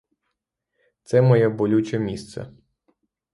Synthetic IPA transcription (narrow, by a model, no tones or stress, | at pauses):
t̪sɛmɔjɛbɔlʲut͡ʃʲɛmʲist̪sɛ̰